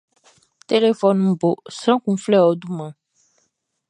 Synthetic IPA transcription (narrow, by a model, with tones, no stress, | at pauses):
t̪e˦le˨fɔ˦nũ˦bo˨sɾã˦kũ˦flɛ˦˨wɔ˨˦d̪u˦mã˨